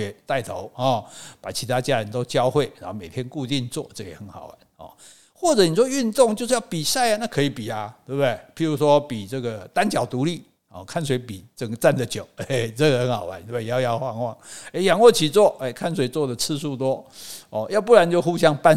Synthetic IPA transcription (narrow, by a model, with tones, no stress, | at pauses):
ɛ˨˩t̪a˥˩ɪt̪ʰo˧˦ʊhɔ˨˩pa˨˩t͡ɕʰi˧˥t̪ʰa˥t͡ɕja˥ɻə˧˦nt̪o˥ʊt͡ɕjɑ˦˥ʊxwe˥˩ɪɻa˨˧˦nxo˥˩me˨˩ɪt̪ʰjɛ˦nku˥˧t̪i˥˧nt͡swɔ̰˥˨ʈ͡ʂɤ˥˩jɛ̰˨˩xə˧˦nxɑ˨˩ʊwa˧˦nɔ̰˨˩ | xwɔ˥˩ʈ͡ʂɤ˨˦ni˨˩ʂ̬wɔ˥y˥˧nt̪ʊ˥˨ŋt͡ɕjʂ̩˥˧ja˥˩ʊpi˨˩sa˥˩ɪa˨˦na˥˧kʰɤ˧˥i˨˩pi˨˩a˨t̪we˥˧˩bd̪e˥˩ɪpʰi˨˩ɻu˧˥ʂwɔ˦pi˨˩ʈ͡ʂɤ˥˩ɡə˩t̪a˦nt͡ɕjɑ˨˩ʊt̪u˧˥li˥˩ | ɔ˥˨kʰa˥˩ns̬we˧˥ɪpi˨˩˦t͡sə˨˩ŋɡə˦t͡sa˥˩nd̪ə˨t͡ɕjo˨˩ʊ˦t͡sɤ˥˧ə˨˩hə˧˦nhɑ˨˩ʊwa̰˨˦nt̪e˥˩e˥˧jɑ˥ʊjɑ˥˧xwɑ˥˧ŋwɑ̰˥˨˩ŋe˥ɪjɑ˨˩ŋwɔ˥˩t͡ɕʰi˨˩t͡swɔ˥˩e˥˩ɪkʰa˥˩ns̬we˨˩ɪt͡swɔ˥˨d̪ə˨t͡s̩ʰ˥˧su˥˧t̪wɔ˥ɔ˥˨˩ja˥˧ʊp̬u˥˩la˨˦nt͡ɕjo˥˧ʊxu˥ɕ̬jɑ˥ŋpa˥˦n